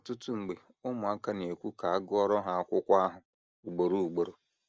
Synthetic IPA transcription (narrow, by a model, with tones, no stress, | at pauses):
ɔ˨tʊ˦tʊ˦ŋ͡m̩˨ɡ͡be˨ | ʊ˦mʊ˨a˦ka˦ne˨kʷu˦ka˨a˦ɡʊ˦ɔ˦ɾɔ˦ɦa˨a˦kʷʊ˦kʷa˦ɦʊ˨ | u˨ɡ͡bo˨ɾo˦˨u˨ɡ͡bo˨ɾo˨